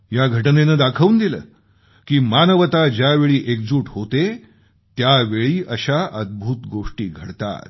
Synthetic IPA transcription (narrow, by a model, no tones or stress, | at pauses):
jaɡʱəʈnenəːd̪akʰəʋuːnd̪ilə̰ː | kiːmanəʋət̪ad͡ʑjaʋeɭiːʔekd͡zuːʈɦot̪e | t̪jaʋeɭiːʔəɕaʔəd̪̚bʱuːt̪ɡoʂʈḭːɡʱəɽt̪a̰t̪